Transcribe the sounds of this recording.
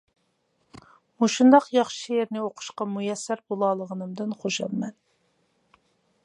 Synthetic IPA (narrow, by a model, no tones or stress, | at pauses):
muʃund̪ɑqjɑχʃijeɾnɪoqʰʊ̥ʃqɑmujɛsːæɾbolˠɑːlˠəʁənɨmd̪ɨnχoʃɑ̰mmɛn